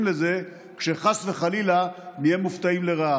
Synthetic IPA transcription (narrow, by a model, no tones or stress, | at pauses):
mleze̞ | kʃeχasveχalilanijemuft̪aimleʁaa